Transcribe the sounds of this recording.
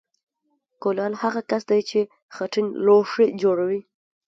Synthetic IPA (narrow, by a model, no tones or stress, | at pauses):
kolɑlhaɣakasd̪ajt͡ʃe | xaʈinloʂid͡ʒoɽawi